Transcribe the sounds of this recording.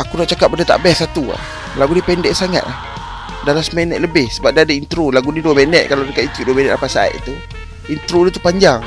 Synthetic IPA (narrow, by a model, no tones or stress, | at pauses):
akunaʔt͡ʃakap̚bəndət̪a̰ʔbɛsat̪ua̰ | laɡunipɛndɛʔsaŋa̰t̪̚lah | dalasmɛnɛʔ̪̚ləbɪhsəbap̚diadaint̪ɾulaɡuniduəmɛnɛt̪̚kaladəkaʔ̪int̪uʔduəmɛnɛt̪apasaa̰ʔ̪t̪u | int̪ɾudit̪u̥paɲd͡ʒaŋ